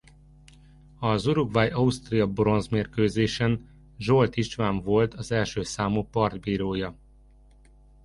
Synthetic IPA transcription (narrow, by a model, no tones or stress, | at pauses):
ɒzuɾuɡʋajɒust̪rijɒbɾo̞nzmeːrkøːzeːʃɛn | ʒo̞lt̪iʃʋaːɱvo̞lt̪ɒzɛlʃøːsaːmuːpɒrd̪biːɾoːjɒ